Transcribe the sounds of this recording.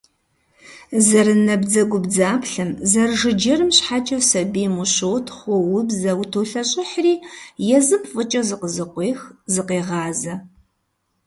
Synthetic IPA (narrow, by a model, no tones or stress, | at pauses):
zɐɾɨnɐbd͡zɐɡʷʊbd͡zaːpɬɨmzɐrʒɨd͡ʒɐrɨmɕħat͡ʃʼɐwsɐbiːmuɕowtʰχʷɔwʊbzɐwtʰoːɬɐɕʼɪħriːjɛzɨmfʼɨt͡ʃʼɐzɨqəzɨqʷeːxzɨqeːʁɑːzɐ